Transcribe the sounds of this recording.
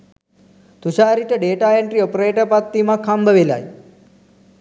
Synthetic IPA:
t̪uɕaɾit͡ɕəɖeʈaeɳʈɾiopɾeʈəpat̪ːimakʰːambʱəʋela̰j

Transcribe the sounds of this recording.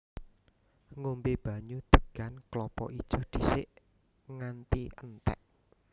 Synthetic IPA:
ŋombeb̥a̤ɲud̪̥ə̤ɡ̥anklɔpɔ̰ʔid̥ʒ̥o̤d̪̥i̤sɪʔ | ŋant̪iənt̪ɛ̰ʔ

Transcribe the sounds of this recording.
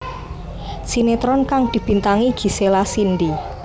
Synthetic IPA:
sinet̪ɾɔnkaŋd̪̥i̤b̥i̤nt̪aŋiɡ̥i̤selasind̪i

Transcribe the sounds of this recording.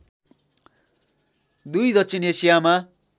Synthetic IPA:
d̪ujd̪ʌtsʰinesijama

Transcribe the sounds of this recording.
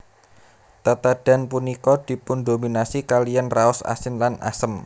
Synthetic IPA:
t̪at̪ad̥a̤npunikɔd̪̥i̤pʊnd̪ominasikalijanraʊsa̰sɪnlana̰səm

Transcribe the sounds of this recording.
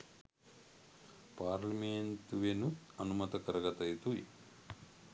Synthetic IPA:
paːɾliment̪uʋenutɐnumɐt̪ɐkɐɾɐɡɐt̪ɐjt̪ui

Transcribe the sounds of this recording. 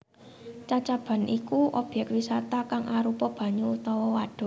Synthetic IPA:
t͡ʃat͡ʃab̥a̤nʔikuʔɔb̥jɛkwisat̪akaŋʔaɾupɔb̥ä̤ɲuut̪ɔwɔwaɖ̥ɔ̤

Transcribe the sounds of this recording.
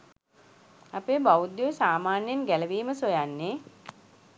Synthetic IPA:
apeːbawud̪juʋsaːmaːnjenɡæləʋiːməsojanːeː

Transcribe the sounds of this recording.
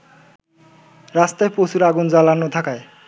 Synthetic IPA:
ɾast̪ajpowsuɾaɡund͡ʑalanot̪ʰakae

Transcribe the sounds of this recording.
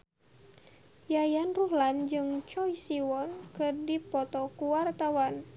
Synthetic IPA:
jajanruɦland͡ʒɨŋt͡ʃɔjsiwɔnkɨrdipɔt̪ɔkuwart̪awan

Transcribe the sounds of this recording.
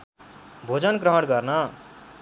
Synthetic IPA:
bʱod͡zʌnɡrʌɦʌɽɡʌrnʌ

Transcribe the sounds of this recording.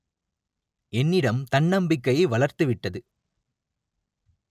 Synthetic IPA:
ɛnːɪɽɐmt̪ɐɳːɐmbɪkːɐjɐʋɐɭɐɾt̪ɯʋɪʈːɐðɯ

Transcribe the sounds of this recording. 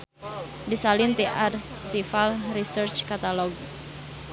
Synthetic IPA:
disalɪnt̪iʔarsifalrisərt͡ʃkat̪alɔɡ̚

